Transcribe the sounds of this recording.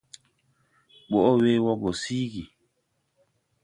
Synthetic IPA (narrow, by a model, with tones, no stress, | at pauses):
ɓo˨ʔo˦we˦wɔ˦ɡo˨siː˦ɡi˨